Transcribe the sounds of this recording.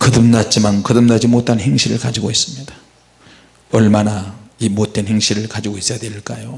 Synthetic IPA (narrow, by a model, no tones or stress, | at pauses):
kɯdɯmnat̚t͡ɕ͈imankɯdɯmnad͡ʑimotʰanhe̞ŋɕʰiɾɯɭkad͡ʑiɡois͈ɯmɲid̥ḁ | ʌɭmanaimot̚t͈e̞nheŋɕʰiɾɯɭkad͡ʑiɡois͈ʌjadweɭk͈ajo